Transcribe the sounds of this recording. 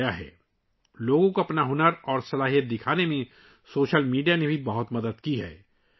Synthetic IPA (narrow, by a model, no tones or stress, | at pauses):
jaɦɛ̰ː | loːɡõkoɐpnaɦʊnəɾɔːɾsɐlaːɦijət̪̚d̪ɪkʰaːnemẽ | soːʃəlmiːɖijanebʱibɐɦʊt̪mɐd̪əd̪kiɦɛ̰ː